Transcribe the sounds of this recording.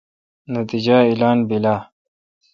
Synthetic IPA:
nɐt̪id͡ʑailaːnbilaː

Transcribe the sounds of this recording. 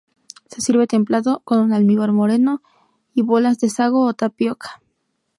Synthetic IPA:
se̞siɾβe̞t̪e̞mplaðo̞ko̞nunalmiɣoɾmo̞ɾe̞no̞ | iβo̞lazðe̞saɣ̞oːt̪apjokʰḁ

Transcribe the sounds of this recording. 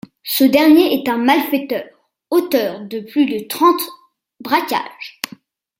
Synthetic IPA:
səd̪ɛʁnjeɛt̪ɛ̃malfɛt̪œːʁ | ot̪œːʁd̪əplyd̪ət̪χɑ̃t̪ | bʁakʲa̰ːʒ̥

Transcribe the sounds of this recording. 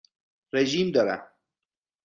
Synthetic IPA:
ɾeʒimd̪ɔɾa̰

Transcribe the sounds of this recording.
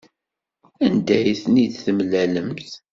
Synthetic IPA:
ænd̪æjθnid̪θəmlæləmθ

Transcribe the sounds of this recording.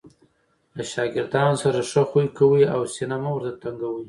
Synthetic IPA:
laʃɑɡɪɾd̪ɑnsaɾaʂəxujkawiawsinamawəɾt̪at̪aŋɡawi

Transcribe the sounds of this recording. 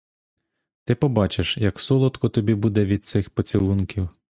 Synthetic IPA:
t̪ɪpɔbɑt͡ʃeʃjɐksɔlˠɔt̪kɔt̪ɔbʲibud̪ɛʋʲid̪̚t̪sɪxpɔt͡sʲilˠunkʲiw

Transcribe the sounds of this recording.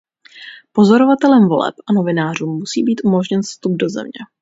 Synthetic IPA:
po̞zo̞ɾo̞vat̪ɛlɛmvo̞lɛ̰pʔano̞vɪnaːr̝uːmːusiːbiːt̪ʔumo̞ʒɲɛnfst̪ub̚do̞zɛ̰mɲɛ̰

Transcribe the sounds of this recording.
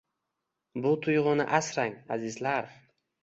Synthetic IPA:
bʊt̪ʰʊjʁʊnɪʔasɾaŋazɪzlaɾ

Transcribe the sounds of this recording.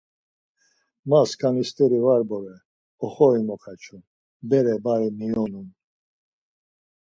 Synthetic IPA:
maskʰanist̪ʼɛɾivaɾbɔvɛ | ɔχɔimɔχʰat͡ʃʰun | bɛɾɛbaɾiniɔnun

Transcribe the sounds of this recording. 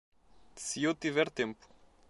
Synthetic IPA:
sɨewt̪ivɛɾt̪ẽmpu̥

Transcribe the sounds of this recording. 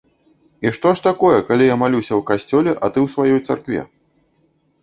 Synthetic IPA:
iʂt̪ɔʂt̪akɔjɛkalʲijamalʲusʲɐwkasʲt͡sʲɔlʲɛʔɐt̪ɨwsvajɔjt̪sarkvʲɛ̰

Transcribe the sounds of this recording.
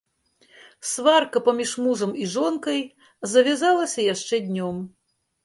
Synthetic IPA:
svarkɐpɐmʲiʂmuʐɐmiʐɔnkɐj | zɐvʲazalˠɐsʲɐjaʂt͡ʂɛd̪ʲnʲɔm

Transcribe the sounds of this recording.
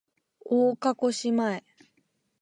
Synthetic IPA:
oːkako̞ɕimae

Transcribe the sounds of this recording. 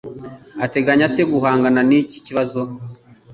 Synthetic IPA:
ate̞ɡaɲate̞ɡuɦaːŋɡananici̥ciβazo

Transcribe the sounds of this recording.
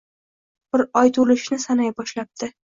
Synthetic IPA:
b̥ɪɾɒjt̪ʰʊlɪʃnɪsanajbɒʃlap̚t̪ʰɪ

